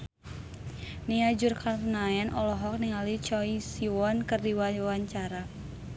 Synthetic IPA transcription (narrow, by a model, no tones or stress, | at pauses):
niad͡ʒurkarnaɛnɔlɔɦɔk̚niŋalit͡ʃɔisiwɔnkɨrdiwawaɲt͡ʃaɾa